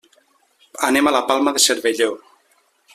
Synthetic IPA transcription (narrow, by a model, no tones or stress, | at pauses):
anemalapalˠmaðeseɾβeʎo